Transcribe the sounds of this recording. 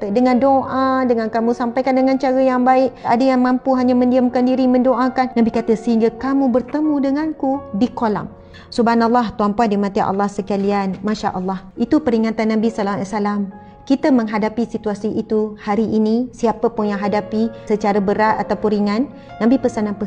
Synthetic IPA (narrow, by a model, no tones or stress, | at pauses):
t̪ədəŋandoʔadəŋankamũsampajkandəŋãnt͡ʃaɾəjaŋbaɪʔa̰dəjaŋmãmpuɦaɲamə̃ndiəmkandiɾimə̃ndoʔakanːãbikat̪əsəɦiŋɡakamũbərt̪əmũdəŋankudikola̰m | subanalːɑht̪uampuandimãt̪iʔa̰lːɑhsəkalianmaʃa̰ʔəlːɑhʔit̪upəɾiŋat̪anːãbisalalasalam | kit̪amə̃ŋɦadapisit̪uasiit̪uhaɾiʔinĩsiapəpʊnjaŋɦadapisət͡ʃaɾabəɾat̪at̪awpunɾiŋanː | ãbipəsanãnpə